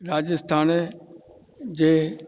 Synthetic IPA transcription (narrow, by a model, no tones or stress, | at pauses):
ɾaːd͡ʑəst̪ʰaːn | d͡ʑeː